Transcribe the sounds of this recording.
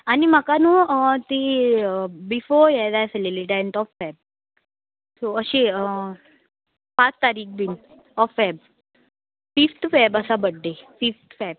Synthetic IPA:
anim̤akanut̪i | bifoɾjɛd̪ajseliliʈ̬iɛɳʈɔfːɛb̚ | soəɕeə | pat͡st̪aɾiːk̚ʰbin | ɔfːɛb̚ | fift̪ʰfɛbəsabəɖːefift̪fɛb̚

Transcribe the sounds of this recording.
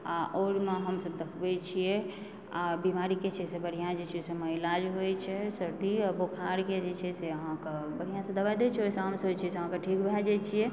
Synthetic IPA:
aʔoɾmeɦəmsəbd̪əkʰbɛt͡ʃʰijɛ | abimaɾiket͡ʃʰɛsebəɽ̤ijãd͡ʒet͡ʃʰɛseməilad͡ʒɦojt͡ʃʰɛsəɾd̪iəbokʰaɾked͡ʒet͡ʃʰɛseəɦãkebəɽ̤ijãsə̃d̪əbajd̪et͡ʃʰɛojsawnsəɦt͡ʃʰɛseəɦãkeʈʰikbʱad͡ʒat͡ʃʰiɛ

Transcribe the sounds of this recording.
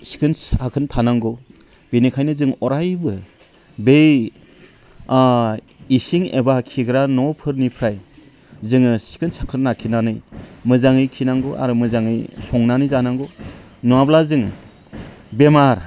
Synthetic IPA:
si̥kʰɯnsakʰɯntʰanaŋɡɔ | benikʰajnɯzɯŋɔɾajbɯ | bej | isiŋḛbakʰiɡɾanɔpʰɯɾnipʰɾaj | zɯŋɯsi̥kʰɯnsakʰɯnːakʰinanɯjmɯzaŋɯjkʰinaŋɡoʔa̰ɾumɯzaŋɯjsɔŋnanɯjzanaŋɡɔ | nuablazɯŋ | bemaɾ

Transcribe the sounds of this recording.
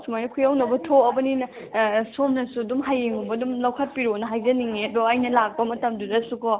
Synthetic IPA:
sumajnɐkʰujawnɐbɐtʰoɐbɐninɐ | somnɐsudumɦajeŋubɐdumlɐwkʰɐt̚piɾonɐɦajzɐniŋedɔɐjnɐlak̚bɐmɐtɐmduɾɐsukɔ

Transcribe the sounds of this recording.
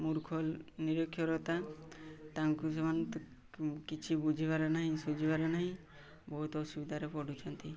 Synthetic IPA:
muɾkʰɔlniɾɔkʰːjɔɾɔt̪a | t̪aŋkusemant̪ | kit͡ʃʰibud͡ʒʱibaɾanaɦĩsud͡ʒʱibaɾanaɦĩ | bɔɦut̪ɔsubid̪ʱaɾepɔɽɖʱut͡ʃʰɔnt̪i

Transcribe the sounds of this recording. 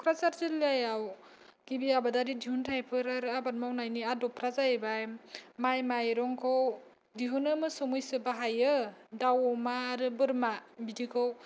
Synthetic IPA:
kʰɾasaɾzɯliajaw | ɡ̥ibiabadaɾidiɦuntʰajpʰɯɾaɾabat̚mawnajniadɔpʰɾazaebajmajmajɾɔŋkʰow | diɦunɯmɯsɔmujsɯbaɦajɯdawmaːɾɯbɯɾmabidikʰow

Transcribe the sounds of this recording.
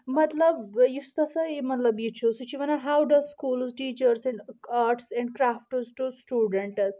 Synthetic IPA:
mɐt̪ləbjist̪ɐsɐemɐt̪lɐbit͡ʃʰusut͡ʃiʋɐnaɦawɖɐzskuːlsʈiːt͡ʃəɾsɛ̃ɳɖaːɾʈsɛ̃ɳɖ̚kɾaːfʈzʈusʈjuːɖəɳʈ

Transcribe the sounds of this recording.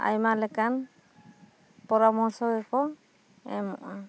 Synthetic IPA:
a̰jmalɛkan | pɔɾamɔsɔɡɛkɔ | ɛ̰mɔ̰ʔa

